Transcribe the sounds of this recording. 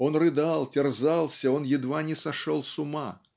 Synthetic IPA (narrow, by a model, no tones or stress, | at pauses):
ɔnrɨd̪alˠtʲɛrzalˠsʲɐɔnjɪd̪vanʲɛsɐʂɔlˠsʊma